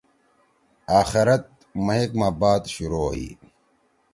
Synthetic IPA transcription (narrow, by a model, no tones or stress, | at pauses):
aːxiɾɐt̪̚ | mɐɦekmaːbaːt̪ɕuɾoːɦḭː